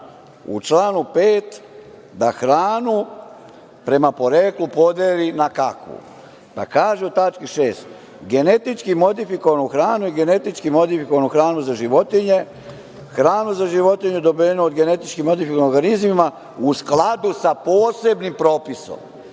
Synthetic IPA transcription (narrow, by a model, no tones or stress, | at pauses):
ṵt͡ʃlaːnupeːt̪ | d̪axɾaːnu | pɾe̞mapo̞ɾe̞ːklupo̞d̪eːlinakakʋṵ | p̪a̰kaːʒeot̪at͡ʃkiʃeːst̪ | ɡe̞ne̞t̪it͡ʃkimo̞d̪ifikoʋanuxɾaːnujiɡe̞ne̞t̪it͡ʃkimo̞d̪ifikoanuxɾaːnuzaʒiʋo̞t̪iɲe | xɾaːnuzaʒiʋo̞t̪iɲed̪obienood̪ɡe̞ne̞t̪it͡ʃkimo̞d̪ifikoanoɾɡanizmima | usklad̪usapoːse̞bnimpɾo̞ːpiso̰m